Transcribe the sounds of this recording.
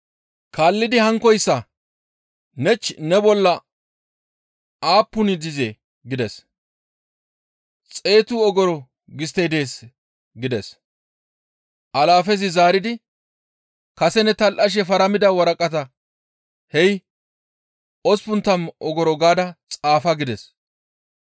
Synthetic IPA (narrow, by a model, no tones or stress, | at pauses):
kaːlːɪd̪ɪhɐŋkːɔjsːɐ | nɛt͡ʃːnɛbɔlːɐ | aːpːʊnɪd̪ɪze | ɡɪd̪ɛs | t͡sʼe̞ːt̪ʊɔɡɔɾɔ | ɡɪst̪ːejd̪e̞ːs | ɡɪd̪ɛs | ʔɐlaːfɛzɪzaːɾɪd̪ɪ | kɐsɛnɛt̪ɐlʔɐʃ̬ɛfɐɾɐmɪd̪ɐwɐɾɐkʼɐt̪ɐ | hɛj | ɔspʊnt̪ːɐmʔɔɡɔɾɔɡaːd̪ɐt͡sʼaːfɐɡɪd̪ɛs